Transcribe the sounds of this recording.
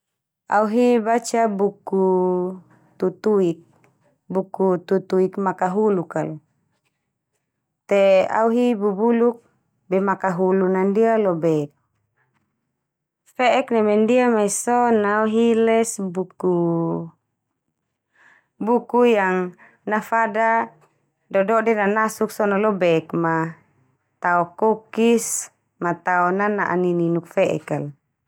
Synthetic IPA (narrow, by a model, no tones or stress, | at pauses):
a̰uɦibat͡ʃabuku | t̪ut̪uik̚ | bukut̪ut̪uikmakaɦulukalu | t̪ea̰uɦibubuluk̚ | bɛmakaɦulunandialobɛ | fɛɛknɛmendiamaisɔnauɦilɛsbuku | bukujaŋ | nafada | dɔdɔdɛnanasuk̚sɔnalɔbɛkma | t̪aɔkokis | mat̪aɔnanaʔa̰nininuk̚fɛʔɛ̰kal